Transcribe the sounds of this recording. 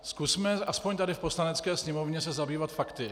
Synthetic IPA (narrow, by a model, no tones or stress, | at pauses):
skusmɛʔaspoɲt̪adɪfpo̞slanɛt͡skɛːsɲɛmo̞vɲɛs̬ɛzabiːvat̪fakt̪ɪ